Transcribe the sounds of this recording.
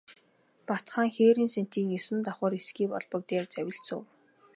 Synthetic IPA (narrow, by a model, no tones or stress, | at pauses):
pat̪χaːŋxeːɾiːnsen̥t̪iːŋesɘ̆nt̪ɔχʊːɾisɡiːpɔ̰ɮpə̆k̚t̪eːrt͡sæwʲɪ̆ɬt͡sṵ̆w